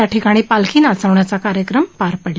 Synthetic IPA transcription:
aʈʰikaɽ̃iːpalkʰiːnat͡səʋɳjat͡sakaɾjəkɾəmpaɾpəɽe

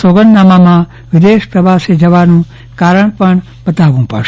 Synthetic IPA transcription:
soɡənːamamã | ʋɪd̪eʃpɾəʋased͡ʒəʋanũ | kaɾəɳpəɳ | bət̪aʋũpə̰ɾʃ

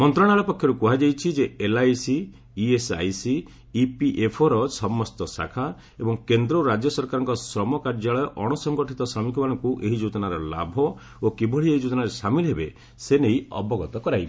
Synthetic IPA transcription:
mɔnt̪ɾɔɽ̃aɭɔpɔkʰjɔɾukuɦad͡ʒajt͡ʃʰid͡ʒeelajsiː | esa̰jsiː | piʔepʰɔɾɔsɔmɔst̪ɔsa̰kʰa | ebɔŋkend̪ɾɔɾad͡ʒjɔsɔɾkaɾɔŋkɔsɾɔmɔkaɾd͡ʒaɭɔjɔʔɔɽ̃ɔsɔŋɡɔʈʰit̪ɔsamikʰɔmanɔŋkuʔeɦid͡ʒut̪ɔnaɾɔla̰bʱɔ | okibʱɔɭieɦid͡ʒut̪ɔnaɾesamilɦebe | seneiɔ̰bɔɡɔt̪ɔkɔɾajb

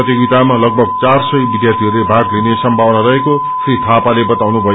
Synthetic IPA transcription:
ʌt̪jiɡit̪amalʌɡ̚bʱʌɡ̚t͡sarsʌjbid̪jart̪ʰiɦʌɾlebʱaɡlinesʌmbʱabnaɾʌeko | srit̪ʰapalebʌt̪awnubʱʌ

